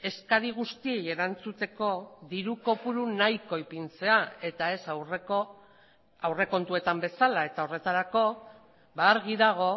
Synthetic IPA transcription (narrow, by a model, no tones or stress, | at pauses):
e̞skaɾiɣ̞ust̪ieje̞ɾant͡sut̪e̞ko̞ðiɾuko̞puɾunajko̞jpint͡se̞ae̞t̪ae̞sawreo | awre̞ko̞nt̪ue̞t̪ambe̞salae̞t̪ao̞re̞t̪aɾako̞ | beaɾɣ̞iðaɣ̞o̞